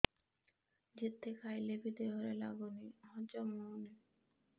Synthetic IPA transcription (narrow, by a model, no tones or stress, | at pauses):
d͡ʑit̪ʰːekʰajlebʱid̪eɦɔɾela̰boniɦɔd͡ʑɔmone